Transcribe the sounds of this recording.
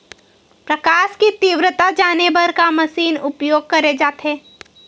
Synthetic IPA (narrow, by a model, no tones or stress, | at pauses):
pɾɐkaːʃkit̪iːʋɾət̪ad͡ʒaːnebɐɾkamɐsiːnʊpjoːɡ̚kɐɾed͡ʒaːt̪ɦẽː